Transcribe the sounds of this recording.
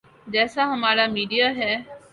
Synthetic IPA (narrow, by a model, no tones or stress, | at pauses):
d͡ʒɛːsaɦəmaːɾamiːɖijaːɦɛː